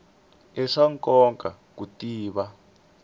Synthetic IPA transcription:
ɛʂaŋkʼɔŋkʼakutiːβa

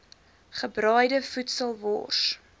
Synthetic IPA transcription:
χəbrœjdəfutsəlˠvɔ̰ːrs

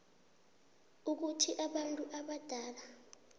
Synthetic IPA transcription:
uk̬utʰiʔaɓantʼuʔaɓad̥ʱaːla

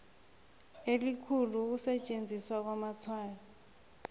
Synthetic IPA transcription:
elikʰuluk̬usɛt͡ʃʼend͡zʱiswak̬wamat͡sʰwaːja

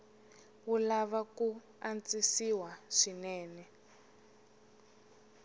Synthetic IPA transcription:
wulaβaku | ant͡sisiwaʂinɛːnɛ

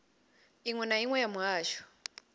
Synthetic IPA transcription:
iŋwɛnaiŋwɛjamuɦaːʃɔ̥

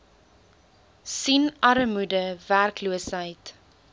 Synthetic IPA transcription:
sinɐɾəmudəværkluəsɦəjt

